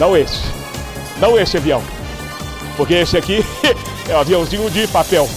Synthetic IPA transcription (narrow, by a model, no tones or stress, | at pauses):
nɐ̃w̃esɪ̥ | nɐ̃w̃esɪɛviɐ̃w̃ | poɾkeesɪaki | ɛaviɐ̃w̃zĩʊd͡ʒɪpapɛw